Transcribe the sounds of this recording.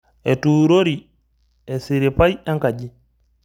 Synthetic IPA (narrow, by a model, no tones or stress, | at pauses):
ʔɛtuːɾoɾi | ɛsiɾipajaŋkaɟi